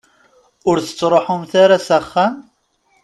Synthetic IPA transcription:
ʊɾθə̥t͡sːɾˤoħʊmθaɾasaχːæn

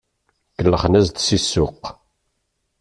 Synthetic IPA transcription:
kəlːəχnæzd̪sisːʊq

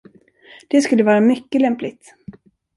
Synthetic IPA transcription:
d̪̥ɛskɵlːəvɑːɾamʏkːəlɛmplɪt̪

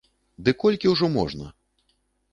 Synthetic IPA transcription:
d̪ɨkɔlʲkʲiwʐɔmɔ̰ʐnɐ̰

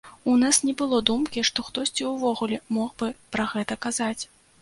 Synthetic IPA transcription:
unasnʲɛbɨlˠɔd̪umkʲiʂt̪ɔxt̪ɔsʲt͡sʲiwvɔɣulʲɛmɔxbɨpɾɐɣɛt̪ɐkazat͡sʲ

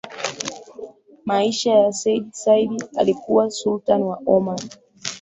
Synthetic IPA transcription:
maiʃajasɛiɗsaiɗia̰likuwasultanwaɔman

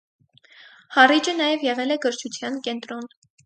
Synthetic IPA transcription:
hɑrid͡ʒənɑjɛvjɛʁɛlɛɡəɾt͡ʃʰut͡sʰjɑnkɛnt̪ɾɔn

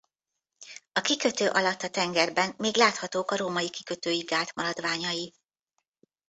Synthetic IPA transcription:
ɒkikø̞t̪øːʔɒlɒt̪ːɒt̪ɛŋɡɛrbɛnmeːɡlaːt̪hɒt̪oːkɒɾoːmɒjikikø̞t̪øːjiɡaːlt̪mɒɾɒd̪ʋaːɲɒji

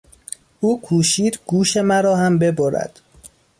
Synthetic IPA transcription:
ʔuːkʰuːʃiːd̪̥ɡuːʃe̞mæɾɒːhæmbe̞boɾæ̰d̪̥

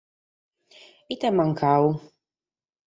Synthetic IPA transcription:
it̪amaŋkʰau

